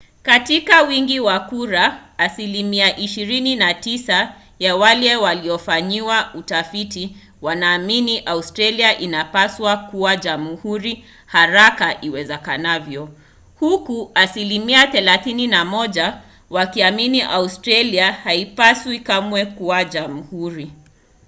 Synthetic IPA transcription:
katikawiŋɡiwakuɾaːsilimiaʔiʃiɾininatisa | jawalɛwaliɔfaɲiwautafiti | wanaːminiʔaustɾaliaʔinapaswakuwaʄamuhuɾi | haɾakaʔiwɛzɛkanavjɔ | hukuasilimiaθɛlaθininamɔʄa | wakiaminiʔaustɾaliahaipaswikamwɛkuwaʄamuhuɾi

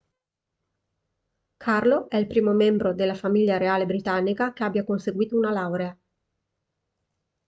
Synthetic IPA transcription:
kʰarloɛilpɾiːmomɛmbɾod̪elːafamiʎːaɾeaːlebɾit̪anːikakeabjakonseɡwiːt̪ounalawɾea

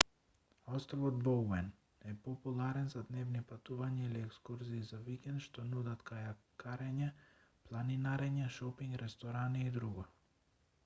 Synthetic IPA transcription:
ɔst̪ɔvɔd̪bɔɛn | ɛpɔpulˠaɾɛnzad̪nɛvnipat̪uvaɲailiɛkskuɾziːzavikɛnt̪ʃt̪ɔnud̪at̪kajakaɾɛɲɛ | plˠaninaɾɛɲɛʃɔpiŋɡɾɛst̪ɔɾaniːd̪ɾuɡɔ

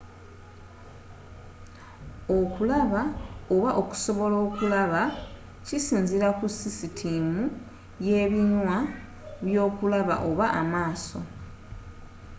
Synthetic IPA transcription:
o̞kulaβao̞βaʔo̞ku̥so̞βo̞lo̞ːkulaβa | cisiːnziɾakusisitʰimu | je̞ːβinwa | βjo̞ːkulaβa̰ʔoβaʔa̰maːso̞

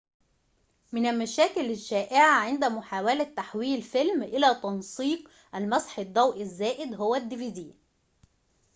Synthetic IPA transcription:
mɪnælmæʃæːkɪlɪʃːæːʔɪʕaʕend̪æmʊħaːwælæt̪ːaħwiːlfɪlmʔɪlæt̪ɑnsˤiːq | ʔælmɑsˤħed̪ˤːɑwʔɪzːæːʔɪd̪ɦowæd̪ːɪvid̪iː

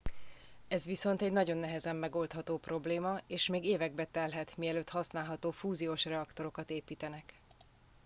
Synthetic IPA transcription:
ɛzʋiso̞nt̪ɛɟnɒɟo̞nːɛɦɛzɛmːɛɡo̞lt̪hɒt̪oːpro̞bleːmɒeːʃmeːɡeːvɛɡ̚bɛt̪ɛlɦɛt̪miɛløːt̪hɒsnaːlɦɒt̪oːfuːzioːʃrɛɒkt̪o̞ɾo̞kɒt̪eːpiːt̪ɛnɛk

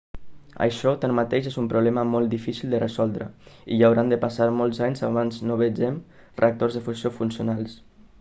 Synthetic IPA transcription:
ə̰ʃɔt̪anmat̪eʒezumpɾuβlɛməmɔlˠt̪d̪ifisilˠd̪ərezɔlˠd̪ɾə̰iʎawɾand̪əpasaɾmolˠzaɲzaβanznoβed͡ʒɛm | reak̚t̪orzðəfusiofunsiunalˠs

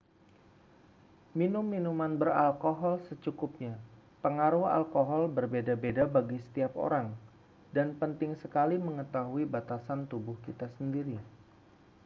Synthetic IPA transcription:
minʊmːinumanbəralkoɦɔlsət͡ʃukʊp̚ɲa | pəŋaɾʊha̰lkoɦɔlbərbedabedabaɡisə̥t̪iap̚o̰ɾaŋ | danpənt̪ɪŋsəkaliməŋət̪aɦuibat̪asant̪ubʊhkit̪asəndiɾi

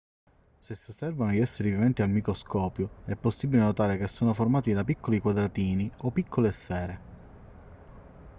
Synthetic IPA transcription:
sesːosːɛrvanoiɛsːeɾivivɛnt̪ialmikɾoskɔːpjoɛpːosːibilenot̪aːɾekesːoːnoformaːt̪id̪apikʰːolikwad̪ɾat̪iːniopːikʰːolesfɛːɾe

